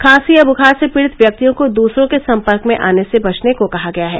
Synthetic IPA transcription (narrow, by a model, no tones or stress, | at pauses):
kʰaːsiɐbʱʊkʰaːsepɪɽɪt̪ʋjɐk̚t̪ijõkod̪uːsɾõkesɐ̃mpəɾkmẽʔa̰ːnesebɐt͡ʃnekokɐɦaɡɐjaɦɛː